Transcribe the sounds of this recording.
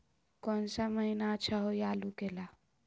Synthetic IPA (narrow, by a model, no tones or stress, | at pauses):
kɔnsaməɦinat͡ʃʰaɦojalukela